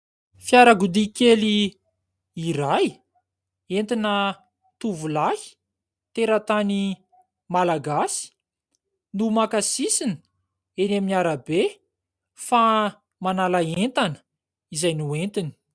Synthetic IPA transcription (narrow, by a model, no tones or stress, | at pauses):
fjaɾaɡud̪ikeli | iraj | ent̪inə | t̪uvulahi̥ | t̪eɾət̪ani | malaɡasi̥ | numakasisinə̥ | enaminaɾabe | fa | manalaent̪anə̥ | izajnuent̪ini̥